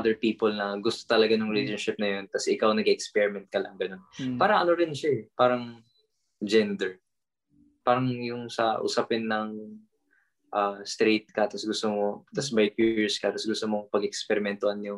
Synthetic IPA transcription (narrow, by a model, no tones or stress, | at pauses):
ʔad̪ɛɹpiːpolnɐɡʊst̪o̥t̪ɐlɐɡanʊŋɾɪleʃonʃɪp̚nɐjo̞nt̪ɐsʔɪkawnɐɡʔɛkspɛɹɪmɛnt̪̚kɐlɐ̰ʔɐŋɡɐno̞npaːɾɐŋʔɐnoɾɪnʃaɛpaːɾɐŋ | d͡ʒɛnd̪ɛɹ | paːɾɐŋjʊŋsɐʔʊ̰sapɪnːɐŋ | ʔast̪ɾejt̪̚kɐt̪ɐsɡʊst̪omot̪ɐsbɐjkjuɹskɐt̪ɐsɡʊst̪omoŋpɐɡɛkspɛɾɪmɛnt̪ʊhanjʊŋ